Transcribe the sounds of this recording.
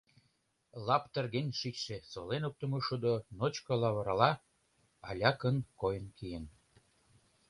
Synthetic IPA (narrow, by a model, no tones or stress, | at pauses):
lɑpt̪ə̆rɣenʲʃit͡ɕʃesolenop̚t̪ə̆moʃud̪onot͡ɕkɤ̆lɑβɤɾɑlɑ | ɑ̰lʲɑkənkojənkijən